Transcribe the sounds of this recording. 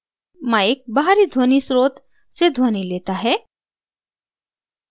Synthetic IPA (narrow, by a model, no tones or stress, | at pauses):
mãek̚baɦɾid̪ʱoːnisɾoːt̪ | sed̪ʱoːnileːt̪aɦɛː